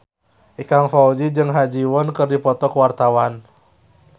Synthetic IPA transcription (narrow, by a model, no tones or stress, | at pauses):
ʔikaŋfaud͡ʒid͡ʒɨŋɦad͡ʒiwɔnkɨrdipɔt̪ɔkwart̪awan